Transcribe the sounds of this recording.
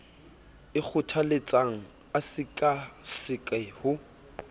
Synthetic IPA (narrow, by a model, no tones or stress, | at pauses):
ɪk͡xʰʊtʰalɪt͡sʼaŋ̩ | asɪkʼasɪkʼɛhʊ